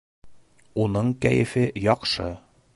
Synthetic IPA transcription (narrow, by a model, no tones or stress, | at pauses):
unɤɴkæ̰jɘ̰̆fɘjɒqʃɤ̰